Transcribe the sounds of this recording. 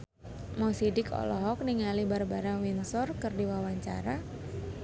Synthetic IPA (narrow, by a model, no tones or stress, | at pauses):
mɔsidɪkɔ̰lɔɦɔk̚niŋalibarbaɾaŋwinsɔrkɨrdiwawaɲt͡ʃa̰ɾa